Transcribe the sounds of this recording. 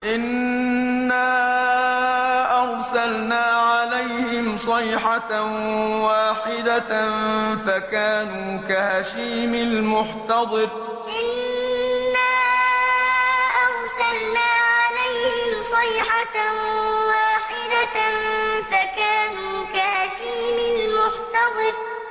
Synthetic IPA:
ʔɪnː | aː | ʔɑɾˤsalnaːʕalajhɪmsˤɨjħa | waːħɪd̪anfakaːnuːkahaːʃiːmɪlmʊħt̪ɑd̪ˤɨɾ | ʔɪnː | aː | ʔɑɾˤsalnaːʕalajhhɪmsˤɑjħa | waːħɪd̪anfakaːnuːkahaːʃiːmɪlmʊħt̪ɑd̪ˤɨɾ

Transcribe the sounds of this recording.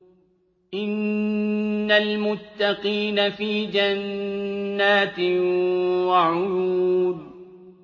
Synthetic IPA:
ʔɪnː | almʊt̪ːaqiːnafiːd͡ʒanː | aːt̪ɪ | waʕʊjuːd̪

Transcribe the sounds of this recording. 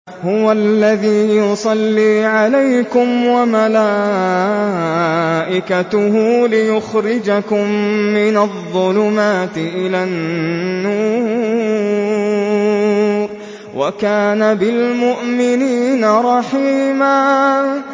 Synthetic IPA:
hʊwalːaðiːjʊsˤɑlːiːʕalajkʊmwamalaː | ʔɪkat̪ʊɦʊlɪjʊxɾɪd͡ʒakʊmːɪnaðˤːʊlʊmaːt̪ɪʔɪlaːnːuːɾ | ɾ | wa̰kaːnabɪlmʊʔmɪniːnaɾˤɑħiːmaː

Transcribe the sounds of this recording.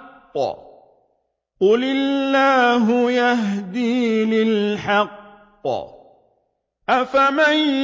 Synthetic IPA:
qː | qʊlɪlːaːɦʊjahd̪iːlɪlħɑqː | ʔafaman

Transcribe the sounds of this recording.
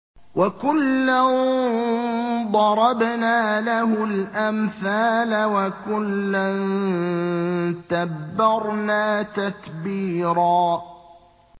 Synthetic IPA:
wakʊlːan | d̪ˤɑɾˤɑbnaːlahʊlʔamθaːlawakʊlːan | t̪abːɑɾˤnaːt̪akbiːɾaː

